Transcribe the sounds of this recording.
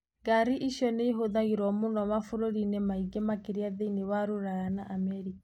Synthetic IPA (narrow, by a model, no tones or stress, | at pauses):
ɡaɾiʔiʃjɔneiɦoðaɣiɾwɔmonɔmafoɾoɾinemaiɡemakeɾiaðeinewaɾoɾaɾanaʔamɛɾikḁ